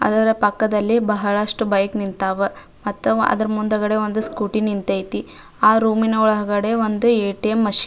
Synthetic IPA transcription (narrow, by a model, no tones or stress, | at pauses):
ɐ̰d̪ɐɾɐpɐkːɐd̪ɐlːibɐɦɐɭɐʂʈubɐjknint̪aːʋɐ | mɐt̪ːuɐ̰d̪ɐɾɐmund̪ɐɡɐɽe̞o̞nd̪uskuːʈinint̪ɐjt̪i | aːɾuːminɐuɭɐɦɐɡɐɽe̞ʋond̪ueːʈijɐmːɐʃi